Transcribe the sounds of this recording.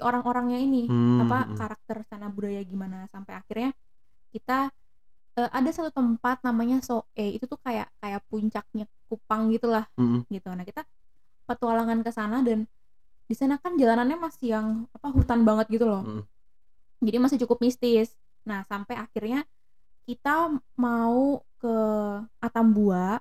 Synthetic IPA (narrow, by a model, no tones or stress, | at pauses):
oɾaŋʔoɾaŋɲainiapakaɾak̚t̪ərsanabudajaɡimanasampajakirɲa | kit̪a | əːʔadasat̪ut̪əmpat̪̚namaɲasoʔɛḭt̪ut̪ʊkaja̰ʔkajaʔpuɲt͡ʃak̚ɲa | kupaŋɡit̪ulahɡit̪unahkit̪a | pərt̪ualaŋankəsanadan | disanakand͡ʒalananɲamasɪjaŋapaɦut̪anbaŋət̪̚ɡit̪ulɔh | d͡ʒadimasɪt͡ʃukʊp̚mist̪ɪs | nahsampajakirɲa | kit̪amaukəʔat̪ambuaʔ